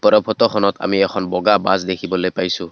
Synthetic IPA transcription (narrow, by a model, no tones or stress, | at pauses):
pɔɾɔpʰɔtɔxʰɔnɔta̰miɛkʰɔnbɔɡaba̰zdekʰibɔlojpajsʊ